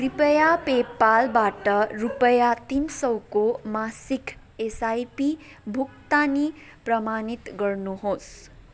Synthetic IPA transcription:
ripʌjapepːalbaʈʌrupʌjat̪insʌwkomasikʰ | esajpi | bʱukt̪ani | prʌmanit̪ɡʌrnuɦos

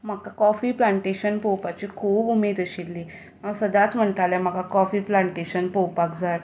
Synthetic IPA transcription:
m̤əkakɔfiːplaɳʈeɕənpowpat͡ɕikʰuːbumeːd̪əɕilːiː | awsəd̪at͡sm̤əɳʈ̪aljɛm̤əkakɔfiːplãɳʈeɕənpowpakd͡zaɽ

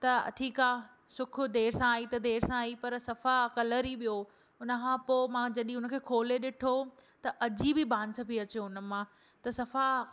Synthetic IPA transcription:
t̪ɐʈʰiːkaː | sʊkʰʊ̆d̪eːɾsãaːit̪ɐd̪eːɾsãaːipɐɾsɐfakɐləɾiɓijo | ʊnəkʰãːpoːmãd͡ʑɐɗĩʊnə̆kʰeːkʰoːleɗɪʈʰot̪ɐʔɐd͡ʑibɪbãːnsɐbiɐt͡ɕoʊnə̆mãː | t̪ɐsɐfa

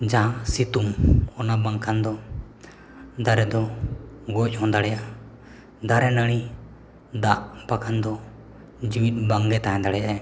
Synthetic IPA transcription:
d͡ʒaãsit̪umɔnabaŋkʰand̪ɔ | d̪aɾɛd̪ɔɡɔc̚ˀhɔ̃d̪aɽɛjaʔ | d̪aɾɛnəɽ̃i | d̪aʔpakʰand̪ɔ | d͡ʒuwit̪̚ˀbaŋɡɛt̪aɦɛ̃d̪aɽɛjaʔɛ

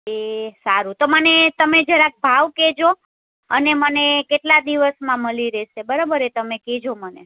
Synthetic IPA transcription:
esaɾut̪omənet̪əmed͡ʒəɾak̚bʱaʋked͡ʒo | ənemənekeʈlad̪iʋəsmãməliɾɛʃebəɾabəɾet̪əmeked͡ʒomənḛ

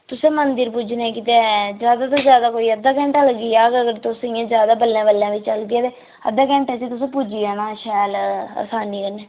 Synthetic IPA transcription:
t̪ʊsẽːmənd̪əɾpuːd͡ʒnɛ̃ːkɪt̪ed͡ʒjaːd̪aːt̪̬oːzjaːd̪aːkoːiːəd̪ːaːkɛ̃ːɳʈaləɡiːaːɡəɡəɾt̪osɪjãːzjaːd̪aːbəlːãːbəlːjãːʋɪt͡ʃt͡ʃəlɡ̪iaːt̪eː | ə̰d̪aːkɛ̃ːɳʈɛsiːt̪ʊs̬ẽːpud͡ʒiːaːnãːʃɛːlə̰saːniːkəneː

